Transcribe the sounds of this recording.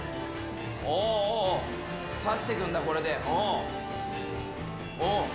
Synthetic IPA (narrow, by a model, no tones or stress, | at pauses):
o | saɕi̥t̪ekɯ̟̃nd̪ako̞ɾed̪eʔõ | õ